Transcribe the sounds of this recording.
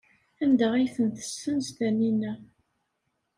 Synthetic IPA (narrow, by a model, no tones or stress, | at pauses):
ænd̪əʁæjθənt̪ə̥sːənzt̪æninːæ